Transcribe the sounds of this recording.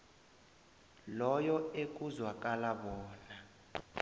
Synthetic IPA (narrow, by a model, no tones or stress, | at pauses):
lɔjɔek̬ʼuzwak̬ʼalaɓɔːna